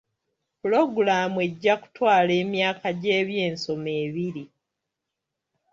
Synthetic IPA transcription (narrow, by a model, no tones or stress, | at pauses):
pulo̞ɡuɾaːmue̞ɟːaku̥twaːle̞ːmjaːkʰaɟe̞ːβje̞ːnso̞me̞ːβiɾi